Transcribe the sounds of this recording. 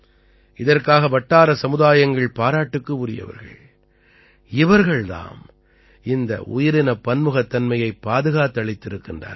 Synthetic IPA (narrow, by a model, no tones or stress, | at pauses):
ɪðɐrkaːɣɐʋɐʈːaːɾɐsɐmɯðaːjɐŋɡɐɭpaːɾaːʈːɯkːɯʊɾɪjɐ̰ʋɐ̰ɾɣɐ̰ɭ | ɪʋɐɾɣɐɭða̰ːm | ɪnd̪ɐ̰ʔʊ̰jɪɾɪnɐpːɐnmɯɣɐt̪ːɐnmɐjɐɪpːaːðɯɣaːt̪ːɯɐɭɪt̪ːɪɾɯkːɪndra̰ːɾ